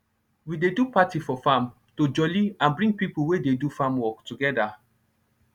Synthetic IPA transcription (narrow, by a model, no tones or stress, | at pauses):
widedupatifɔfãm | tod͡ʒɔliãnbɹĩŋɡ̚pipuwededufãmwɔktuɡɛda